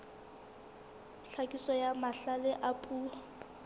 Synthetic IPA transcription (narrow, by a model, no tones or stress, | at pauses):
ɬʰakʼisɔjamaɬalɪʔapʼu